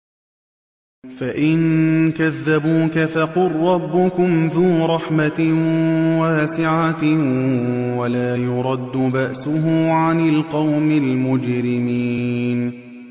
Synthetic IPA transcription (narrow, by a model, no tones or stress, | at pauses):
faʔɪnkaðːabuːkafaqʊrːɑbːʊkʊmðuːɾˤɑħma | waːsɪʕa | walaːjʊɾˤɑd̪ːʊbaʔsʊɦʊʕanalqɑwmɪlmʊd͡ʒɾɪmiːn